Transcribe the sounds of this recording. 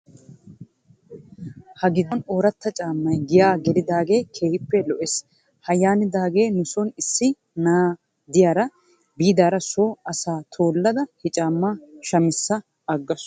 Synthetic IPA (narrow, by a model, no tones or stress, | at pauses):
hɐɡɪd̪ɔnoːɾɐt̪ːɐt͡ʃʼaːmːɐjɡɪjaːɡɛlɪd̪aːɡe̞ːkʰeːhɪpːɛlɔʔes | hɐjaːnɪd̪aːɡe̞ːnʊsɔnɪsːɪ | naː | d̪ɪjaːɾɐ | biːd̪aːɾɐsoːɐsaːt̪ʰoːlːɐd̪ɐhɪt͡ʃʼaːmːaːʃɐmɪsːɐ | ɐɡːɐs